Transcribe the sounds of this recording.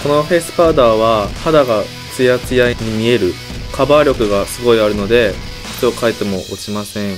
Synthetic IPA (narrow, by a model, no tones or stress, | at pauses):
ko̞no̞ɸe̞sɨ̥pad̪aːβahad̪aɡa | t͡sɨjat͡sɨjaiɲ̟imʲie̞ɾɯ̟ | kʰabaːɾʲo̞kɯ̟ɡasɨɡo̞iaɾɯ̟no̞d̪e̞̥ | tokait̪e̞mo̞ʔot͡ɕimasẽ̞ɴ